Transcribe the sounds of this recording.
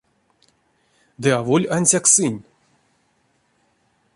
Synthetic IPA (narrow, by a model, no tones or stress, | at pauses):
d̪ɨavolʲanʲsʲaksɨnʲ